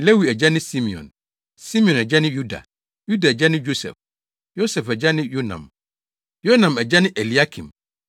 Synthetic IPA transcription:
le˦wi˨ɛ˨d͡ʑɛ˦nɪ̃˦si˦mi˨ɔ̰̃˨n | si˦mĩ˨ɔ̃˨nɛ˨d͡ʑɛ˦nɪ̃˦ju˦da̰˨ | ju˦da˨ɛ˨d͡ʑɛ˦nɪ̃˦jo˦sɛ̰˨f | jo˦sɛ˨fɛ˨d͡ʑɛ˦nɪ̃˦jo˦nã̰˨m | jo˦nã˨mɛ˨d͡ʑɛ˦nɪ̃˦ʔe˨li˨a˦kʰĩ˨m

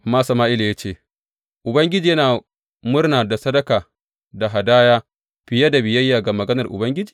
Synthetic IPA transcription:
maː˦sɐ˨maː˦ʔɪ˦la˨ja˦t͡ʃeː˦˨ | ʔʊ˨bɐ˦ŋɡʲɪ˦d͡ʒi˨jɐ˦naː˨ | mʊ˦rnaː˨da˨sɐ˦dɐ˦kaː˨ | da˨ɦa˨daː˦jaː˦ | ɸɪ˨ja˦da˨bɪ˨jɐ˦jːaː˨ɡa˨mɐ˨ɡɐ˦nɐ˨rʔʊ̰˨bɐ˦ŋɡʲɪ˦d͡ʒiː˨

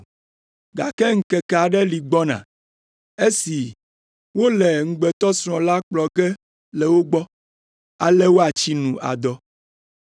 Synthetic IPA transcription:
ɡa˨kɛ˦ŋ̩˨kɛ˨ka˨ɖɛ˦li˨ɡ͡bɔ˦nã̰˨ | e˦si˨ | wo˦lɛ˨ŋ̩˦ɡ͡bɛ˨t̪ɔ˦sɾ̃ɔ̃˨la˦k͡plɔ˨kɛ˦ | lɛ˨wo˦ɡ͡bɔ˦ | a˨lɛ˦wo˦a˨t͡ɕi˦nũ˨a̰˨d̪ɔ˦

